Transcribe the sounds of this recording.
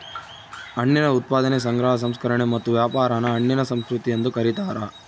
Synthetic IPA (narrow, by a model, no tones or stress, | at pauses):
ɐɳːjɐnɐut̪̚paːd̪ɐnes̬ɐŋɡɾaːɦɐs̬ɐmskɐɾɐɳemɐt̪ːuʋjaːpaːɾaːnɐːɳːjɐnɐsɐmskɾut̪ijend̪ukɐɾit̪aːɾɐ